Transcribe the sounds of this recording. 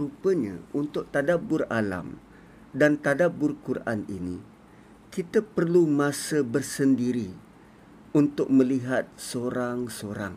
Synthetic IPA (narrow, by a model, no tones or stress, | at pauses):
ɾupəɲã̰unt̪ʊk̚t̪adabʊrala̰m | dant̪adabʊrkuɾaʔa̰nini | kit̪əpərlumãsəbərsəndiɾi | unt̪ʊk̚mə̃liɦat̪̚soɾaŋsoɾa̰ŋ